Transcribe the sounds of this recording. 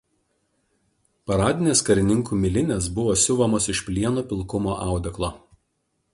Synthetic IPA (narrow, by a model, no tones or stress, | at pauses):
pɐɾɑːd̪ʲɪnʲeːskɐɾʲɪnʲɪŋˑkuːmʲɪlʲɪnʲeːs̬bʊʋoːsʲʊʋɐmoːsɪʃpʲlʲiɛnuːpʲɪlˠkʊmoːʔɑˑʊd̪ʲɛklˠoː